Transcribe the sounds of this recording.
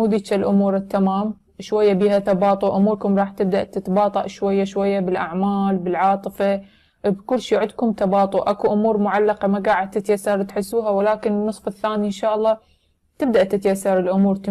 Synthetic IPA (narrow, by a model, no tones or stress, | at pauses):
uːd̪iːt͡ʃalʔʊmuːɾɪt̪ːamaːm | ʃwajːabiːhat̪ɑbɑːt̪ˤʊʔʊmuːɾkʊmɾˤɑːħt̪ɪb̚d̪aʔt̪ɪt̪bɑːt̪ˤɑʔʃwajːaʃwajːabɪlʔaʕmaːlbɪlʕɑːt̪ˤɨfa | bkʊlːʃiːʕʊd̪kʊmt̪ɑbɑːt̪ˤʊʔakuʔʊmuːɾmʊʕalːaqɑmaɡaːʕɪd̪̚t̪ɪt̪jasːɑɾˤt̪ħɪsːuːɦawalaːkɪnɪnːɨsˤfɪθːaːniʔɪnʃaːʔɑlˤːɑː | t̪ɪb̚d̪aʔt̪ɪt̪ajasːɑɾˤɪlʔʊmuːɾt̪